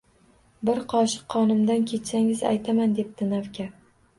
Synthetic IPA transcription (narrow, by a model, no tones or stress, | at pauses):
bɪɾqʰɒʃɪ̥qʰːɒnɪmd̪ankʲʰe̞t̪saŋɪza̰jt̪ʰamand̪e̞p̚t̪ɪnavkʲa